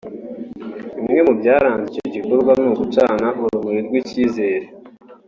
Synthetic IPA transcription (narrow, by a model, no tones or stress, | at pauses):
imŋe̞mubɟaːɾaːɲzijeɟikuɾɡwamnuːkut͡ʃaːnahuɾumuɾiɾɡwiciːze̞ːɾe